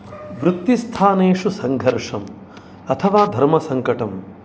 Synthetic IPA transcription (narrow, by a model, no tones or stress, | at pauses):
ʋɾut̪ːist̪ʰaːneːʂusɐŋɡʱɐɾʂɐm | ɐt̪ʰɐʋaːd̪ʱɐɾmɐsɐŋkɐʈɐm